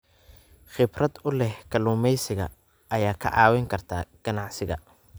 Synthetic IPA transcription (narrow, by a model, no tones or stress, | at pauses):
χɪbrɐd̪ʊlɛhkʰɐluːmɛjsɪɣɐ̰ | ʔɐjaːkʰɐ̰ʕɑːwɛŋkʰɐrt̪ʰa̰ːɡ̥ɐnɑʕsɪɣɐ̰